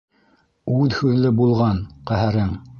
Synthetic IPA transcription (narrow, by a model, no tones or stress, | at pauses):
ʉðhʉðlɘbulˠʁɑnqæhæɾɘŋ